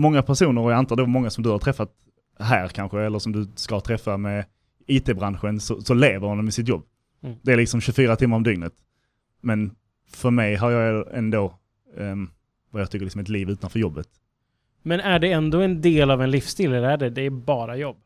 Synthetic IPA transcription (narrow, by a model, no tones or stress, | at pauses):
mɔŋːapʰæʂuːnəɾɔjaant̪ʰɑːd̪oːmɔŋːasɔmd̪ɵhaɾt̪ʰɾɛfːat̪ | ɦæːɾkʰanɧəɛlːəʂsɔmd̪ɵskat̪ʰɾɛfːamɛ | iːt̪ʰeːbɾanɧənsɔsɔleːvəɾhand̪ɔmɪsɪt̪jɔbː | d̪ɛæɾlɪksɔmɕɵfyːɾat̪ʰɪmːaɾɔmd̪ʏŋnət̪ | mɛn | fœɾmɛjɦaɾjɑːɡɛ̰nd̪oː | vajɑɡt̪ʏkəɾlɪksɔmɛt̪liːvʉ̟ːt̪anfœɾjɔbːət̪ | mɛnæɖɛɛnd̪oːɛnd̪eːlavɛnlifst̪iləd̪æɖɛd̪ɛːbɑːɾajɔbː